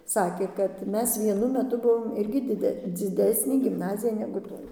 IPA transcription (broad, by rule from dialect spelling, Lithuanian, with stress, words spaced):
ˈsɑːkʲeː kɐt ˈmʲɛs ʋʲiɛˈnʊ mʲɛˈtʊ ˈbʊʋoːm ˈɪrʲɡʲɪ dʲɪˈdʲɛ d͡zʲɪˈdʲæːsʲnʲeː ɡʲɪmˈnɑːzʲɪjɛ nʲɛɡʊ ˈtoːj